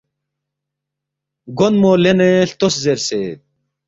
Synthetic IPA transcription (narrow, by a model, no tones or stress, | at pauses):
ɡonmoːleneɬt̪oszeɾseː